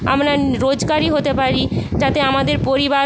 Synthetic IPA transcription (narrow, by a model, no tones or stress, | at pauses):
a̰mɾaɾod͡ʑɡaɾiɦot̪epaɾit̪at̪eamad̪eɾpoɾiba